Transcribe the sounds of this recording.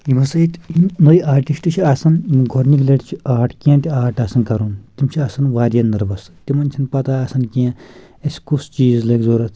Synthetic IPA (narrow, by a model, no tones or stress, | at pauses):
imɐsɐit̪inoiʔaːɾʈiʂʈɨt͡ʃʰiaːsɐnɡʱoɾnikleʈt͡ʃʰiaːʈʰkiãt̪ʲiaːʈasɐnkɐɾunt̪imt͡ʃʰiaːsɐnʋaːɾʲjɐnd̪ɐɾbɐst̪ʲimɐnt͡ʃʰinpɐt̪aːɐːsɐnkiã | ɐsʲkust͡ʃiːzleːkzoːɾɐt̪ʰ